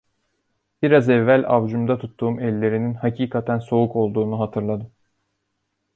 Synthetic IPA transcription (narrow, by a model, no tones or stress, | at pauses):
b̥iɾazɛvːælʲavd͡ʒumd̪at̪ʰut̪ʰːuːmɛlʲːe̞ɾininhacʰiːkʰat̪ʰænso̞uko̞lˠd̪uːnuɦat̪ʰɯɾlˠad̪ɯm